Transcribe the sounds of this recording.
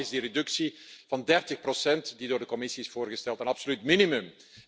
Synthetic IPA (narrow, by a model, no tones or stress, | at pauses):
ɪzdiɾedɵksiv̥ɑndɛrtəxprosɛntdidoːrdəkɔmɪsiɪsfoʊːrɣəstɛlˠtənɑpsolytminimɵm